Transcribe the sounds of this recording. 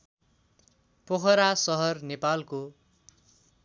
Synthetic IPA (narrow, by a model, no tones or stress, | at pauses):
poɦʌɾasʌɦʌrnepalko